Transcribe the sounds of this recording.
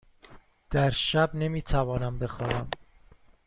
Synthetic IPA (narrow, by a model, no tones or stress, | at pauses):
d̪̥æɾʃæbne̞miːt̪ʰævɒːnæmbe̞xɒːnæm